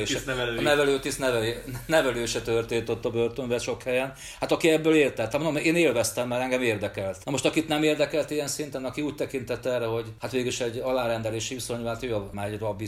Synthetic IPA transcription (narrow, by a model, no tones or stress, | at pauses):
ʃnɛvɛløːt̪isnɛvɛlːnɛvɛløːʃɛt̪ørt̪eːnt̪o̞t̪ːɒbørt̪oɱvɛʃo̞khɛjɛn | hat̪ɒkiɛbːøːleːrt̪ɛt̪ːamonomeːneːlvɛst̪ɛmːaːɾɛŋɡɛmeːrd̪ɛkɛlt̪nɒmo̞ʃt̪ɒkit̪nɛmeːrd̪ɛkɛlt̪ijɛnsint̪ɛnɒkiuːc̚ʲt̪ɛkint̪ɛt̪ːɛrɛho̞ɟhat̪ʋeːɡiʃɛɟːɒlaːɾɛnd̪ɛleːʃiʋiso̞ɲaːt̪øːɒmɛɟrɒbːi